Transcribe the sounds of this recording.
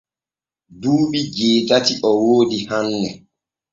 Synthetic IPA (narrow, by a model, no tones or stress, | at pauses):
duːɓid͡ʒeːtatiʔɔwoːdihanːɛ